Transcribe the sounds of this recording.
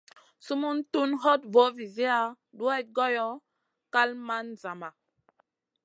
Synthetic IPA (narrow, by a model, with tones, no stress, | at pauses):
su˦mu˦ntu˦nɦɔ˦tvo˨˦vi˨zi˦a˨˦ | ɗu˦a˦j̚ɡɔ˦jɔ˦ | ka˦lma˦nza˨ma˨